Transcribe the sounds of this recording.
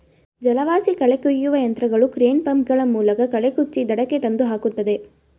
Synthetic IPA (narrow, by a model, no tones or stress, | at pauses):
d͡ʒɐlɐʋaːsikɐɭekːujːuʋɐjɐnt̪ɾɐɡɐɭukɾeːnpɐmɡɐɭɐmuːlɐkɐkɐɭekut͡ʃːid̪ɐɽɐkːet̪ɐnd̪uɦaːkut̪ːɐd̪e̞